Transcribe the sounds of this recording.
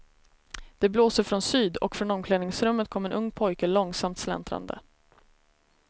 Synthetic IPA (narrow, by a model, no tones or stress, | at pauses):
d̪̥ɛbloːsəɾfɾɔnsyːd̪ɔ̰kfɾɔnɔmkʰlɛːnɪŋsɾɵmːət̪̚kʰɔmːɛnʔɵŋːpʰɔjkəlɔŋːsamt̪slɛ̰nt̪ɾa̰nd̪ə̰